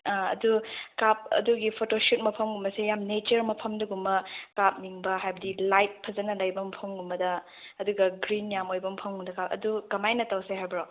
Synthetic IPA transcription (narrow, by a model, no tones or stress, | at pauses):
aɐ̰dukap̚ɐ̰duɡipʰotosut̚mɐpʰɐmɡumbɐsejamnet͡ʃɐɾmɐpʰɐmdɐɡumbɐkap̚niŋbɐɦajbɐdilajt̚pʰɐzɐnɐlɐjbɐmpʰɐmɡumbɐdɐː | duɡɐɡɾinjamojbɐmpʰɐmɡumdɐkapɐ̰dukɐmajnɐtɐwseɦajbɐɾo